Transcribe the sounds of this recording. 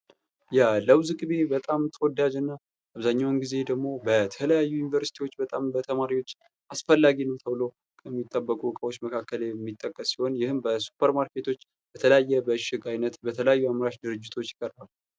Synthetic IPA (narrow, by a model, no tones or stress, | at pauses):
jaləwzɨɡɨβe̞bət̪ʼamt̪ʰwd̪ːad͡ʒɨnːa | ʔaβzaɲːawnɡize̞d̪əɡmo̞bət̪ʰələjajːujunivəɾsi̥t̪ʰiwo̞t͡ʃːbət̪ʼambət̪ʰəmaɾiwo̞t͡ʃː | ʔasfəlːaɡinəwt̪ʰəβɨlo̞ | kʰəmːit̪ʼːəbːəkʼubɨkʼəwot͡ʃːməkʰakːəljɛmːit̪ʼːəkʼːəsːi̥ho̞njɪhɨmbəsu̥pʰːəɾmaɾkʰe̞t̪ʰo̞t͡ʃː | bət̪ʰələjajːɛbəʃɪɡajnət̪bət̪ʰələjajːuamɾaʃd̪ɨɾɨd͡ʒːɪt̪ʰo̞t͡ʃːjɪkʼəɾbal